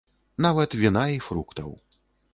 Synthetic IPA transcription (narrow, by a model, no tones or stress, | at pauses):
navɐt̪vʲinaifɾukt̪ɐ̰w